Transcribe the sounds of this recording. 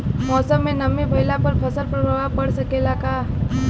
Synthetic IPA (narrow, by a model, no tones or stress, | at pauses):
mɔːsəmːẽnəmibʱəjlapəɾpʰəsəlpɾəɾoʋapəɽsəkelaka